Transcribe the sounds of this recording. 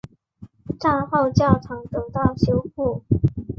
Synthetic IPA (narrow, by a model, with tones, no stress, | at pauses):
ʈ͡ʂa˥˧pɑ˥˧ʊt͡ɕjɑ˥˩ʊʈ͡ʂʰɑ˧˥ŋt̪ɤ˨˩t̪ɑ˥˩ʊɕjo˧˥ʊku˥˩